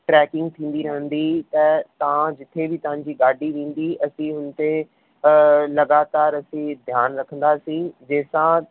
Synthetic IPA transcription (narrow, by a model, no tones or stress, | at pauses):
ʈɾɛːkɪ̃ŋɡ̚t̪ʰĩːnd̪iːɾəɦə̃nd̪iːt̪ɛːt̪ãːd͡ʒɪt̪ʰːeːbʱiːt̪ãːɲd͡ʒiːɡaːɖiːʋẽːnd̪iːʔəsĩːɦʊnt̪eː | ləɡaːt̪aːɾəsĩːd̪ʱjaːnɾəkʰən̆d̪aːsiːd͡ʒeːsãː